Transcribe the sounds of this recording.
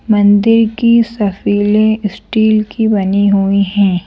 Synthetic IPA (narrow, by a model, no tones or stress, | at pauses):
mɐ̃nd̪ɪɾkisɐfiːlẽsʈiːlkibɐniɦuiɦɛ̃ː